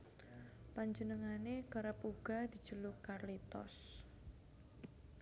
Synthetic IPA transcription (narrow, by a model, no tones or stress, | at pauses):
paɲd͡ʒənəŋanekəɾəpuɡ̥a̤d̪̥i̤̥ʒ̥əlukarlit̪ɔ̰s